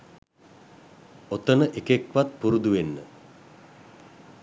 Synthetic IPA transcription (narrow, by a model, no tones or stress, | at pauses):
ot̪ənəʔekekʋat̪̚puɾud̪uʋenːə